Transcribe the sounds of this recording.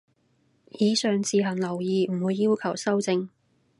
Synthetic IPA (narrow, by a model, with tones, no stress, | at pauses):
jiː˨˥sœː˨ŋt͡sʰiː˨˧ɦɐ˨˩ŋlɐ˨˩wjiː˨m̩˨˩wuː˨˧jːiː˥wkʰɐ˨˩wsɐ˥wt͡sɪ˧ŋ